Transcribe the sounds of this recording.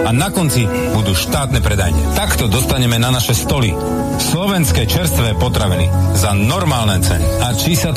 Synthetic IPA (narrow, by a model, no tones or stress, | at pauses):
anakɔnt͡si | bud̪uːʃt̪aːt̪nɛpɾɛd̪a̰jɲɪɛ̰t̪akt̪ɔd̪ɔst̪aɲɛmɛnanaʃɛst̪ɔlḭ | slɔʋɛnskɛt͡ʃɛɾst̪ʋɛpɔt̪ɾaʋinḭzanɔɾmaːlnɛt͡sɛ̰niat͡ʃisa